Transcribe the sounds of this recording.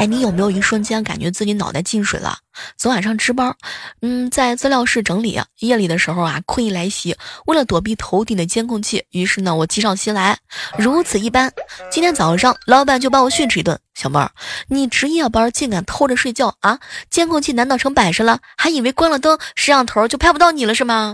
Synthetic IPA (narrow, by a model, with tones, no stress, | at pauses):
a˥˩ɪni˧˥jo˨˩ʊme˧˥ɪjo˨˩˧i˧˥ɡə˧ʂwə˥nt͡ɕjɛ˥nka̰˨˩nt͡ɕɥɛ˧˥t͡sɹ̩˥˩t͡ɕi˧˥nɑ˨˩ʊt̪a˥˧ɪt͡ɕi˥˩nʂwḛ˨˩ɪlə̰˧˩t͡sɤ˧˥ʊwa˨˩nʂɑ˥˩ŋʈ͡ʂɻ̩˥pɐ˥n̩˥˩t͡sa˥˧ɪt͡s̩˥˧ljɑ˥˧ʊʂɻ̩˥˩ʈ͡ʂɤ˧˥ŋlḭ˨˩ɐ̰˦jɛ˥˩li˨˩d̪ə˦ʂɻ̩˧˥xo˥˧ʊa̰˩kʰwə˥˧i˥˩la˧˥ɪ˧˩ɕi˧˥we˥˩ɪlə˩t̪wɔ˨˩p̬i˥˩t̪ʰo˧˥ʊt̪i˥˩d̪ə˦t͡ɕjɛ˥nkʰʊ˥˧ŋt͡ɕʰi˥˩y˧˥ʂɻ̩˥˩nə˩wɔ˨˩t͡ɕi˧˥ʂɑ˥˩ʊɕi˥nla˧˥ɪɻu˧˥t͡sʰɹ̩˨˩i˥˩pa˥nt͡ɕi˥nt̪ʰjɛ˥nt͡sɑ˨˩˧ʂɑ˥˧ŋlɑ˧˥i˥pa˥˧nt͡ɕjo˥˧ʊpɑ˥wɔ˨˩ɕnʈ͡ʂ̩ʰ˥˩˧t̪wə̰˥˩ɕjɑ˨˩ʊpɐ̰˥ni˨˩ʈ͡ʂɻ̩˧˥jɛ˥˩pɐ˥t͡ɕi˥˩nka˨˩nt̪ʰo˥ʊʈ͡ʂə˨˧ʂwe˥˧ɪt͡ɕjɑ˥˩ʊa˧t͡ɕjɛ˥nkʰʊ˥˧ŋt͡ɕʰi˥˩na˧˥nt̪ɑ˨˩ʈ͡ʂʰɤ˧˥ŋpa˨˩nʂə˧˥lə˧ | xa˧˥ɪi˨˩we˧˥ɪkwa˥nlə˨˧t̪ɤ˥ʂɻ̩˥ɑ˥˩ŋt̪ʰo˧˥t͡ɕjo˥˧ʊpʰa˥˧pt̪ɑ˥˩ʊni˨˩lə˦ʂɻ̩˥˩bɐ˩